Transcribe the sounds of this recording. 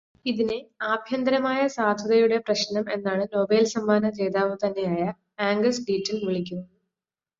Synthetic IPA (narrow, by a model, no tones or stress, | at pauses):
iðineaːbʱjɐnd̪ɐɾɐmaːjɐsaːd̪ʱɐðɐjuɽe̞prɐɕnɐme̞nːaːɳɨno̞ːbe̞ːlsɐmːaːnɐt͡ɕe̞ːd̪aːʋɨt̪ɐnːe̞jaːjɐ | aːŋɡɐsɖiːtːɐlmiɭikʲːunː